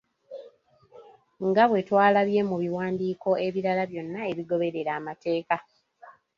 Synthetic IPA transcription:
ŋɡaβwe̞twaːlaβje̞muβiwaːndiːko̞e̞βiɾalaβjo̞nːae̞βiɡo̞βe̞ɾe̞ɾaːmate̞ːka

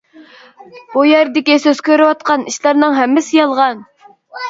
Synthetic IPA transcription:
bujɛɾd̪ɪkʲisøz̥kʲøɾywɑt̪̚qɑniʃlˠɑɾnɨŋɦɛmːɪsɪjɑlˠʁɑn

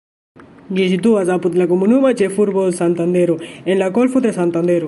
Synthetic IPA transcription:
d͡ʒesid̪uazaput̪lakumunumat͡ʃefuɾbosant̪and̪eɾuenlakolfud̪esant̪and̪eɾu

